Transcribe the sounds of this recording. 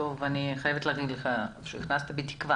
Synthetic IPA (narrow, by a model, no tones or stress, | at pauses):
ovaniχajevet̪laɡid̪leχaʃeiχnast̪abet̪i̥kva